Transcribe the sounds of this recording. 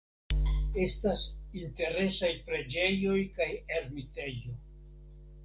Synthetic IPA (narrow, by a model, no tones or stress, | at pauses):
e̞stasinte̞ɾe̞sajpɾe̞d͡ʒe̞jo̞jkajeɾmite̞jo̞